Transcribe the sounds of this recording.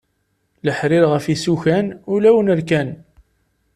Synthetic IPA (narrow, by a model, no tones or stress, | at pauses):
ləħɾɪɾʁəfisuçænulæwənəɾkæn